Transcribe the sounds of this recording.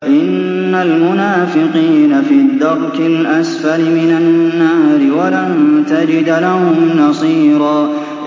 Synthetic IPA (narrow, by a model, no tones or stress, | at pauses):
ʔɪnː | almʊnaːfɪqiːnafiːd̪ːɑɾˤkɪlʔasfalɪmɪnanːaːɾɪwalamt̪ad͡ʒɪd̪lahʊmnɑsˤiːɾˤɑː